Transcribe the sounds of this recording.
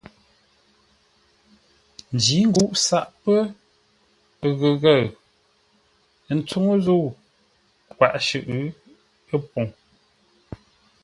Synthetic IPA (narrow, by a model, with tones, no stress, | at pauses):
n̩˨d͡ʒi˨˦ŋ̩˦ɡu˦˨ʔsa˦ʔpə˦˨ | ɣə˨ɣə˦˨ | n̩˦t͡su˦ŋo˦zo˦˨ | kwa̰˨ʔʃɨ̰˨ʔ | ə˦po˨ŋ